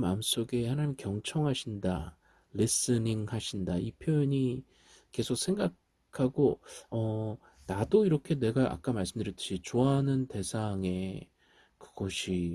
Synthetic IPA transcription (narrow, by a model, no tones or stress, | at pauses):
maɯms͈oɡe̞hanaɲimkjʌŋt͡ɕʰʌŋɦaɕʰinda | lis͈ɯniŋhaɕʰindaipʰjojʌɲi | ke̞sʰok̚sʰe̞ŋɡakʰ | aɡoʌ | nadoiɾʌkʰe̞ne̞ɡaʔa̰k͈amaɭs͈ɯmdɯɾjit͈ɯ̥ɕʰit͡ɕoaɦanɯnte̞sʰaŋe̞ | kɯɡ̥ʌɕʰi